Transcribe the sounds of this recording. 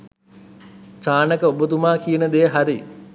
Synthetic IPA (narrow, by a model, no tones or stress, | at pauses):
t͡ʃaːnəkəobət̪umaːkijənəd̪ejəɦaɾi